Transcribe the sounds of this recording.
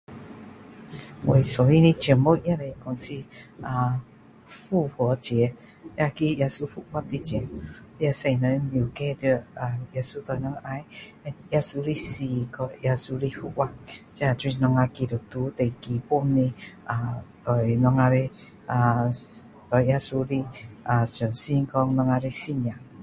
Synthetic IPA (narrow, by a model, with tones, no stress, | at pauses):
we˨sɔ˨wi˦ni˧t͡ʃə˨mo˦ja˦˧ɾe˨˧˨kɔ˨nsi˧a˧ | fu˦˨hɔ˨˦t͡ʃe˨ɛ˧ | ja˧ki˦ja˧su˧hu˦ʔwa˦t̪i˧t͡ʃɛ˨˦ja˧sɛ˧i˨na˨e˦mi˨kɛ˦də˧a˨ja˧su˦t̪ɔ˨jnɔ˧ŋa˧˦j | ɛ˧nja˧su˧ɾi˦si˧kɔ˧ja˧su˧ɾi˦fu˦ʔwa˦t͡ʃɛ˦a˨tɾi˦nɔ˧ŋa˧ki˧do˨t̪u˨˦t̪e˨ki˨po˦ne˧a˨t̪ɔ˨i˨nɔ˧ŋa˧ɾe˧ | a˨ | t̪ɔ˨ja˧su˧ɾi˦a˨sɛ˨msi˦ŋ˦kɔ˧ŋnɔ˧ŋa˧ɾe˧si˦ɲa˨